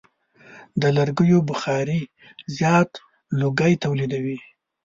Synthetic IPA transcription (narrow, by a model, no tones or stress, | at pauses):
d̪əlaɾɡəjobʊxɑɾi | zjɑt̪ | loɡəjt̪awlid̪awi